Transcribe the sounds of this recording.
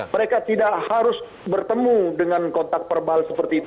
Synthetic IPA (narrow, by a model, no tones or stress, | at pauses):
məɾekat̪idaʔhaɾʊs | bərt̪əmudəŋankɔnt̪ak̚pərbalsəpərt̪iːt̪